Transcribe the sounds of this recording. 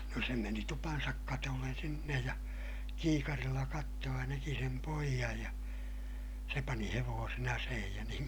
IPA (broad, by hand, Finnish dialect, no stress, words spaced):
no se meni tupɑnsɑk kɑtolːen sinːej jɑ kiːkɑrilːɑ kɑtːoː jɑ næki sem poijɑj jɑ se pɑni heʋoːsen ɑseːhij jɑ niːŋ